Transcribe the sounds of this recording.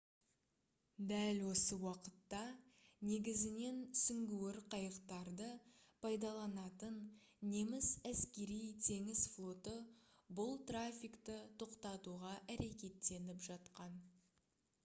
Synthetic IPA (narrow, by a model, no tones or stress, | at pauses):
d̪ælwo̞səwɑqət̪ːɑne̞ɡʲɪzɪne̞nsʏŋɡʲuwɪɾqʰɑjəqt̪ɑɾd̪əpʰɑjd̪ɑlˠɑnɑt̪ənː | e̞mɪsæskʲe̞ɾijt̪ʰe̞ŋɪzflˠo̞t̪əbʊlˠt̪rafʲijkt̪ət̪ʰo̞qt̪ɑt̪uʁɑʔæɾe̞kʲe̞t̪ːe̞nɪpʒɑt̪qɑn